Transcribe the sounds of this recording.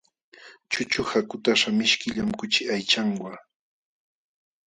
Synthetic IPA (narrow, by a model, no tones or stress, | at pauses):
t͡ʃʊt͡ʃʊhakʊt̪aʃamɪʃkɪʎamkʊt͡ʃɪʔajt͡ʃaŋwa